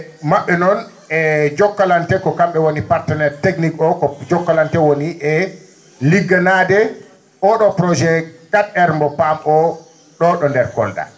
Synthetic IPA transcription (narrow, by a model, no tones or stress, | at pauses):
maɓːɛnɔn | ɛd͡ʒɔkːalantɛkɔkamɓɛwonipaɾtɛnɛɾteknikɔkɔd͡ʒɔkːalantɛwoniʔɛ | liɡanadɛ | ʔɔɗɔpɾɔd͡ʒɛkatɛɾmbɔpamɔ | ɗɔɗɔndɛɾkɔ̰lda̰